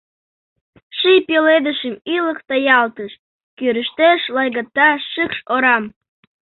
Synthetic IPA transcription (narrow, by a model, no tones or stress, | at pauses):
ʃijpeled̪əʃəmiləkt̪ɑjɑlt̪əʃ | køɾəʃt̪eʃlɑjɣɑt̪ːɑʃɨkʃoɾɑm